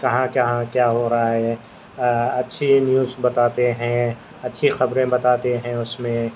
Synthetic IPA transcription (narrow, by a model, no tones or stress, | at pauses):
kɐɦãkɐɦãkjaːɦoɾɐaɦɛː | ɐtːʃʰinjuːzbɐt̪aːt̪eɦɛ̃ | ɐtːʃʰixɐbɾẽbɐt̪aːt̪eɦɛ̃ʊsmẽ